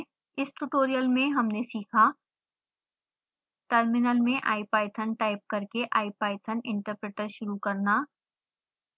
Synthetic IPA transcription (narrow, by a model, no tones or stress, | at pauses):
ɪsʈuʈoːɾijəlmẽɦɐmnesiːkʰa | ʈəɾmɪnəlmẽʔa̰ːɪpaːɪt̪ʰənʈaːɪp̚kɐɾkeʔa̰ːɪp̚aːɪt̪ʰənɪ̃ɳʈəɾpɾeːʈəɾʃʊɾukɐɾnaː